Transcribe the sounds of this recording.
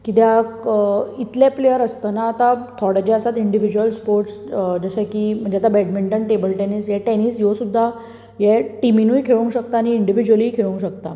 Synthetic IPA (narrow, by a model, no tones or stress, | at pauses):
kit̪jakit̪leplejəɾəst̪ənaːt̪ãt̪ʰɔɽəd͡ʑeəsat̪iɳɖiʋid͡ʑuəlspoɾʈs | d͡zəsakim̤əɳd͡ʑeat̪abɛʈmiɳʈəɳʈebəlʈɛnisjɛʈɛnisjosud̪ʱːa | jɛʈiminuːjkʰeʋũŋkɕəkt̪aːñiːɳɖiʋid͡ʑuʋəliːkʰeɭũŋkɕəkt̪a̰